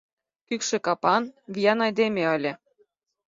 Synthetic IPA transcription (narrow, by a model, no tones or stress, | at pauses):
kykʃĕkɑpɑnβʲijɑnɑjd̪emʲeəlʲĕ